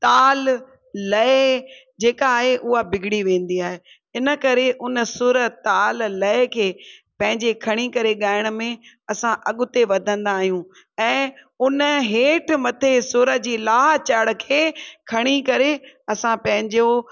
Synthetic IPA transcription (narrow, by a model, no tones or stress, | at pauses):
t̪aːlː | ɐe | d͡ʑeːkaːɦeʔʊɦabɪɡʱɪɽiʋẽːn̆d̪iaːɦe | ɪnə̆kɐɾeʔʊnə̆sʊɾət̪aːlːɐekʰeːpɐ̃ɦɪ̃ɲd͡ʑekʰɐɽ̃ikɐɾeɠaːɪɽ̃ʊ̆mẽ | ɐsãʔɐɠʊt̪eʋɐd̪ʱə̃nd̪aːɦijũ | ɛ̃ː | ʊnəɦeːʈʰmɐt̪ʰesʊɾə̆d͡ʑiːlaːt͡ɕəɽkʰeːkʰɐɽ̃ikɐɾeɐsãpɐ̃ɦɪ̃ɲd͡ʑo